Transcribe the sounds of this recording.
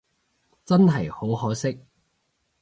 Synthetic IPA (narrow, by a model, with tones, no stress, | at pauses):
t͡sɐ˥nɦɐ˨jho˨˥wɦɔː˨˥sɪ˥k̚